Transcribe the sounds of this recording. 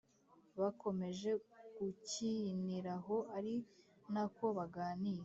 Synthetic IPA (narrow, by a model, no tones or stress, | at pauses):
βako̞me̞ʒe̞ɡuciniɾaɦo̞ʔaɾi | nako̞βaɡaːnije